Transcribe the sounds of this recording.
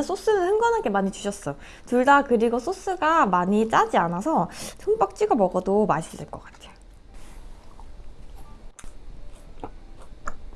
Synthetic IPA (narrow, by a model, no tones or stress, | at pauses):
nsʰos͈ɯnɯnhɯŋɡʌnanke̞maɲit͡ɕu̥ɕʰʌs͈ʌ | tuɭdakɯɾiɡosʰos͈ʰɯɡamaɲit͡ɕ͈ad͡ʑianasʰʌtʰɯŋp͈ak̚t͡ɕ͈iɡamʌɡʌdomaɕ͈ɯdɯɭk͈ʌk͈ḁtʰe̥jo